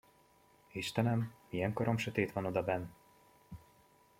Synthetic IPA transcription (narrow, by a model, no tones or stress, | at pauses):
iʃt̪ɛnɛmijɛŋkoɾo̞mʃøt̪eːt̪ʋɒno̞d̪ɒbɛnː